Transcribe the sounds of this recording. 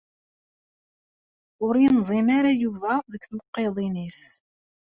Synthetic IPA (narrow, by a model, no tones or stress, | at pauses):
ʊɾjinzˤimaɾajuvæðəkːθnəqːeðˤinis